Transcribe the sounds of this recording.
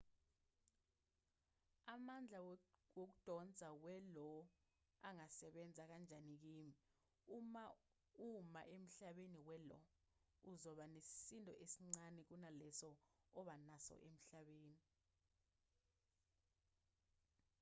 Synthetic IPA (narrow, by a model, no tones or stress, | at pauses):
amand͡ɮʱaok̬ud̥ʱɔnt͡sʼawɛlɔ | aŋasɛɓɛnd͡zʱak̬and͡ʒʱanik̬iːmi | uma | uma̰ʔem̩ɬaɓeniwɛlɔ̰ | uzɔɓanesi̥sintʼɔʔesiŋ͡ǀanɛk̬unalɛsɔɔɓanasɔ̰ʔem̩ɬaɓeːni